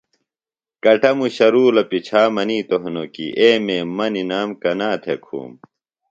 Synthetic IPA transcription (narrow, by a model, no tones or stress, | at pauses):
kɐʈɐmuɕɐɾuːlɐpit͡ɕʰaːmɐniːt̪oɦnokḭʔeːmeːmɐninaːmkɐnaːt̪ʰekʰṵːm